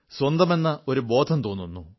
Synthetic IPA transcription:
swɐnd̪ɐme̞nːɐo̞ɾubo̞ːd̪ʰʱɐmt̪oːnːunːu

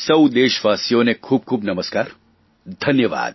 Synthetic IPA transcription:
sɐwd̪eːʃʋaːsijõnekʰuːb̚kʰuːbnɐməskaːɾ | d̪ʱɐnjəʋa̰ːd̪̚

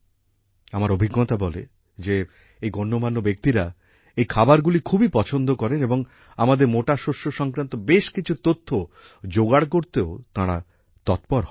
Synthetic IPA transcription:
amaɾobʱiɡːot̪abɔlḛ | d͡ʑe | ejɡɔnːomanːobek̚t̪iɾa | ejkʰabaɾɡulikʰubipɔt͡ɕʰond̪okɔɾeneboŋ | amad̪eɾmoʈaʃoʃːoʃɔŋkɾant̪obeʃkit͡ɕʰut̪ot̪ʰːo | d͡ʑoɡaɽkoɾt̪eot̪aɽa̰ | t̪ɔt̪pɔɾɦ

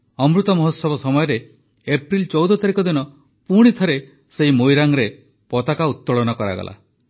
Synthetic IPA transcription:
ɔmɾut̪ɔmɔɦɔsɔbɔsɔmɔjɔɾe | epɾilt͡ʃɔwd̪ɔt̪aɾikɔd̪inɔ | puɽ̃it̪ʰɔɾe | seɦimojɾaŋɾe | pɔt̪akaut̪ːɔɭɔnɔkɔɾa̰ɡɔ̰lʔa̰

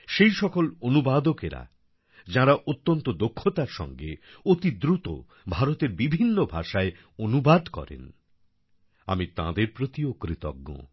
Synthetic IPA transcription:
ʃejʃɔkolonubad̪okeɾa̰ | d͡ʑãɾaʔot̪ːont̪od̪okʰːot̪aɾʃɔ̰ŋɡḛot̪id̪ɾut̪o̰ | bʱaɾot̪eɾbibʱinːobʱaʃae | onubad̪kɔ̰ɾḛn | a̰mit̪ã̰d̪eɾpɾot̪iokɾit̪ɔ̰ɡːo̰

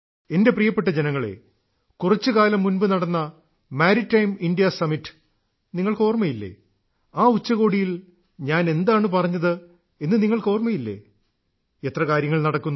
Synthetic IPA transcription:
e̞nde̞prijɐpːe̞ʈːɐd͡ʑe̞nɐŋːɐɭe̞̰ | kurɐt͡ɕːɨkaːlɐmːunbɨnɐɽɐnːɐ | maːɾitːɐjmindijɐsɐmitːɨ̥ | niŋːɐɭko̞ːrmɐjilːe̞̰ː | aːut͡ɕːɐɣo̞ːɽijil | ɲaːne̞nd̪aːɳɨpɐrɐɲːɐðɨ | enːɨniŋːɐɭko̞ːrmɐjilːe̞̰ː | et̪rɐkaːɾjɐŋːɐɭnɐɽɐkːunː

